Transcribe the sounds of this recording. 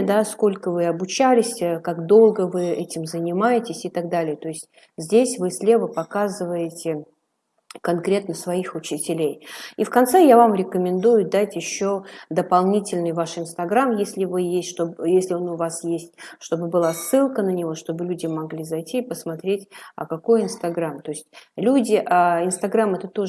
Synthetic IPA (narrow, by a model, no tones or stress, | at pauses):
d̪asko̞lʲkəvɨɐbʊt͡ɕælʲɪsʲkakd̪o̞lˠɡəvɨɛtʲɪmzənʲɪmajɪtʲɪsʲɪt̪aɡd̪alʲɪjət̪o̞ɪsʲtʲ | zʲdʲesʲvɨsʲlʲe̞vəpɐkazɨvəjɪtʲɪ | kɐnkɾʲe̞t̪nəsvɐixʊt͡ɕɪtʲɪlʲejifkɐnt̪sɛjavamɾʲɪkəmʲɪnd̪ujʊd̪atʲjɪɕːo̞d̪əpɐlˠnʲitʲɪlʲnɨjvaʂɪnst̪ɐɡɾamjesʲlʲɪvɨjesʲtʲʂt̪ojesʲlʲɪo̞nʊvasjesʲtʲʂt̪o̞bɨbɨlˠasːɨlˠkənənʲɪvo̞ʂt̪o̞bɨlʲudʲɪmɐɡlʲizɐjtʲipəsmɐt̪ɾʲetʲə̰kɐko̞jɪnst̪ɐɡɾamt̪o̞ɪsʲtʲlʲudʲɪʔaɪnst̪ɐɡɾamɛt̪ət̪o̞ʐ